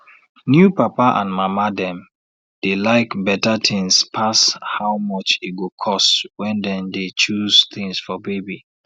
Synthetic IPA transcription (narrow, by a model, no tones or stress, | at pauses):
njupapaʔã̰nmamadɛ̃m | d̥elaɪkbɛtat̪ʰɪ̃ŋspʰashawmɔt͡ʃitɡukʰɔstwɛ̃ndɛ̃ndet͡ʃuz̥t̪ɪ̃ŋsfɔbebi